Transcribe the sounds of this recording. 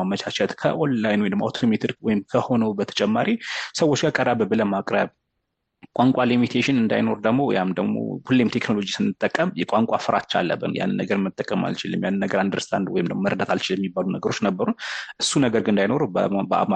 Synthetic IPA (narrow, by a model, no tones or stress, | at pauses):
amət͡ʃʰat͡ʃɛt̪kʰəʔonlajnwɔjdma̰t̪ʰomit̪ʰɾwɔjɪmkʰəho̞nəwbət̪ʰə̥t͡ʃʼɛmːaɾʔisəwːot͡ʃːɡʰakʼəɾabəbɨləmakʼɾəβ | kʼwaŋkʷʼalimit̪ʰeʃɪnɨnd̪a̰jno̞ɾd̪əɡmo̞ja̰md̪əɡmo̰hulːemt̪ʰekno̞lo̞d͡ʒisɨnːɨt̪ʼːəkʼːəmjɛkʷʼaŋkʷʼafɨɾa̰tt͡ʃːa̰lːə̰bːɨ̰nja̰nːɨnːəɡəɾmɨt̪ʼːəkʼːəma̰lt͡ʃilːɨmjanːɨnːəɡəɾand̪ɨɾst̪ʰʼa̰nd̪wɔ̰jɪmd̪əmməɾd̪at̪ʰalt͡ʃɪljɛmːibːalunəɡəɾo̞t͡ʃːnəbːəɾunʔɨsunəɡəɾɡɨɨnd̪ajno̞ɾubəbəa̰ma